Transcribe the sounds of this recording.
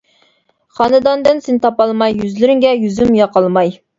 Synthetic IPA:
χɑnɨd̪ɑnd̪ɨnsɪnt̪ʰɑpɑlˠmɑjːyzlɪɾɪŋɡʲɛjyzymjɑqɑlˠmɑj

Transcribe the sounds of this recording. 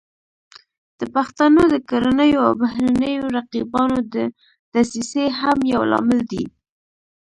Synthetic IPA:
d̪̥əpaxt̪anod̪əkaɾanəjoa̰wbahɾanəjoɾaqibɑnod̪ə | d̪̥asiseɦamjawlɑ̰mɪld̪i

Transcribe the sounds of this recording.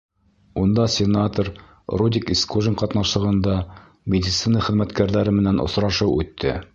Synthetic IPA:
und̪ɑsʲɪnat̪oɾ | rud̪ʲikiskoʒɪŋqɑt̪nɑʃlˠɤ̆ʁɤ̆nd̪ɑ | mʲɪdʲɪt̪sinɑχɘ̆ðmæt̪kæɾðæɾɘmɘ̆nænŏ̰sɾɑʃɤwʉ̰t̪ːɘ̰

